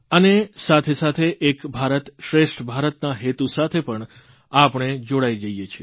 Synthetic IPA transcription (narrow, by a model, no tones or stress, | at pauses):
ənesat̪ʰesat̪ʰeʔekbʱaɾət̪ʃɾeʃʈʰbʱaɾət̪naɦet̪usat̪ʰepəɳ | apɳ̃ed͡ʒoɽajd͡ʒəijet͡ʃʰie